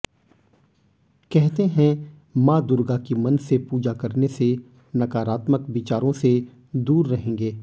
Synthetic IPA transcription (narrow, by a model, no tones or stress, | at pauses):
kɛɦt̪eɦɛ̃ | mãːd̪ʊɾɡakimɐ̃nsepuːd͡ʒakɐɾnese | nɐkaːɾaːt̪məkʋɪt͡ʃaːɾõse | d̪uːɾːɐɦẽːɡeː